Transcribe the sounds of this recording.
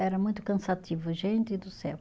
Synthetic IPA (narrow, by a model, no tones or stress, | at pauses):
ɛɾɐmũj̃t̪ʊ̥kɐ̃sat̪ivʊʒẽnt̪ɪd̪ʊsɛw